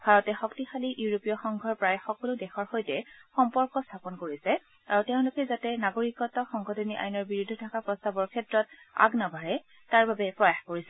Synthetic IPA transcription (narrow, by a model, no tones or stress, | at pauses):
b̥ʱaɹɔtɛxɔktixaliʔjuɹopijɔxɔŋɡʱɔɹpɹajxɔkɔlʊdɛxɔɹxojtɛxɔmpɔɹkɔstʰapɔnkoɹisɛ | aɹuteʊ̃lʊkɛzatɛnaɡoɹikɔtɔxɔŋxɔdʰɔniʔa̰jnɔɹbiɹudʱːɔtʰakapɹɔstabɔɹkʰɛtɹɔt̚a̰ɡnabʱaɹɛ | taɹbabɛpɹɔjaxkoɹisɛ